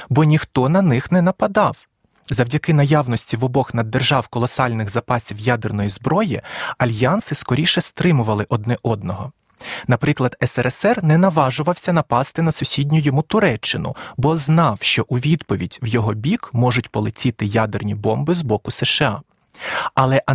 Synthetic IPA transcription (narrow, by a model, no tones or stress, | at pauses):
bɔnʲixt̪ɔnɐnɪxnɛnɐpɐd̪ɑw | zɐwdʲɐkɪnɐjawnɔsʲtʲiʋɔbɔxnɐd̪ːerʒɑwkɔlˠɔsɑlʲnɪɣzɐpɑsʲiwjad̪ɛrnɔjizbɾɔjiɐlʲjɑnsɪskɔɾʲiʃɛst̪ɾɪmʊʋɐlˠɪʔɔd̪̚nɛʔɔd̪nɔɦɔ | nɐpɾɪklˠɐd̪ɛsɛɾɛsɛrnɛnɐʋɑʒʊʋɐwsʲɐnɐpɑst̪ɪnɐsʊsʲidʲnʲʊjɔmut̪ʊɾɛt͡ʃːɪnʊ̰bɔznɑwʃt͡ʃɔʔuʋʲid̪pɔʋʲidʲwjɔɦɔbʲikmɔʒʊtʲpɔlˠɪtʲit̪ɪjad̪ernʲibɔmbɪzbɔkʊsɛʃɪɑ̰ | ɐlˠɛʔɐ